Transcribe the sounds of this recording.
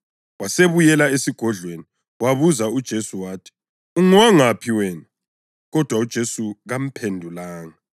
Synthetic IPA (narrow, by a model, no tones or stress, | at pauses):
waseβujɛlaesiɡ̥ʱɔɮweni | waβuzaud̥ʒ̥ʱesuwaːtʰi̥ | uŋwaŋapʰiwɛːna | ɣɔd̥ʱwaud̥ʒ̥ʱesuɣam̩pʰendʱulaːŋa